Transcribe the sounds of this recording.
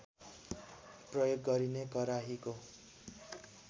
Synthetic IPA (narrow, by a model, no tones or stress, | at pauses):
prʌjoɡːʌɾinekʌɾaɦiko